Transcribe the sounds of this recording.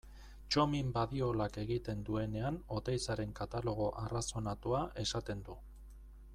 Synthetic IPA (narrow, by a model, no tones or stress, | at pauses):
t͡ʃo̞mimbaðio̞lake̞ɣit̪e̞nd̪ue̞ne̞ano̞t̪ejsaɾe̞ŋkat̪alo̞ɣ̞o̞ʔaraso̞nat̪uaʔe̞sat̪e̞nd̪u